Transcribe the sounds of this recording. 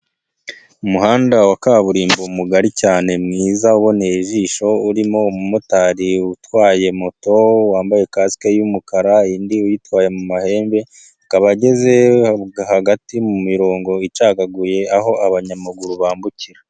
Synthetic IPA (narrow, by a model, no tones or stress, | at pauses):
umuhaːndawakaβuɾiːmbomuɡaɾicaːne̞mŋiːzauβo̞neʒiːʃo̞uɾimo̞umumotaɾiutwaːje̞moto̞waːmbaje̞kaːsi̥kejumukaɾaindiujitwaːje̞mumahe̞ːmbe̞ | kaβaɟe̞ze̞haɡatimumiɾo̞ːŋɡo̞it͡ʃaːkaɡuje̞aɦo̞ʔaβaɲamaɡuɾuβaːmbuciɾa